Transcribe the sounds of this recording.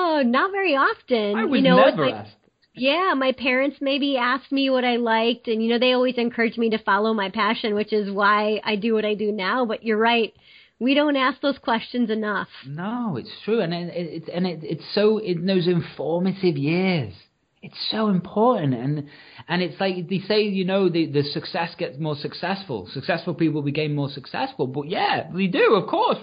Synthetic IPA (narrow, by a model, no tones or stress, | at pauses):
onətvɛɹiɑftɨ̃nɪjwʌɨnoʊɛvə˞aɪæ̰sk̚ | jæmaɪpʰɛɹɨ̃ntsmeɪbiæsk̚miwʌɾaɪlaɪk̚tɨ̃njɨnoʊðeɪɔlˠwizɨ̃nkʰɜ˞ɨd͡ʒmiɾɨfɑlˠoʊmaɪpʰæʃɨ̃nwɨt͡ʃɪzwaɪa̰ɪdɨwʌɾaɪdɨnaʊbʌt͡ʃə˞ɹaɪt̚ | wiɾõʊ̃ntæsk̚ðoʊz̥kʰw̥ɛst͡ʃɨ̃nzɨnʌfnoʊɪ̰tstʰɹ̥ʉɨ̃nɨ̃ɪɪtɨ̃nɪɪtsoʊɪ̃nðoʊzɨ̃ɱfɔɹmɨɾɪvjɪɹz̥ | ɨtsoʊɨ̃mpʰɔɹʔn̩tɨ̃n | ɨ̃nɨtslaɪkðeɪseɪjɨnoʊðɨðɨsɨksɛsɡ̥ɛtsmɔɹsɨksɛsfə̰l̩ˠsɨksɛsfl̩ˠpipl̩ˠbɨkẽɪ̃mɔɹsɨksɛ̰sfl̩ˠbʌt̚jæðeɪdɨʌv̥kʰɔɹs